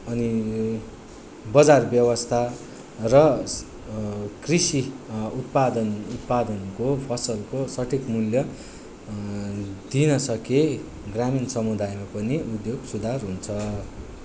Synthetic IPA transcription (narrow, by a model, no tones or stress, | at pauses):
ʌni | bʌd͡zarbjʌwʌst̪ʰa | rʌ | krisiut̪̚pad̪ʌnut̪pad̪ʌnkopʰʌsʌlkosʌʈʰikmuljʌ | d̪inʌsʌke | ɡraminsʌmud̪ajmapʌniud̪joɡsud̪ʱarɦunt͡sʰʌ